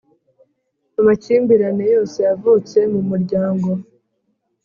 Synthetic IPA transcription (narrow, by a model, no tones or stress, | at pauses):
amaciːmbiɾanejo̞ːse̞javuːt͡se̞mumuɾɟaːŋɡo̞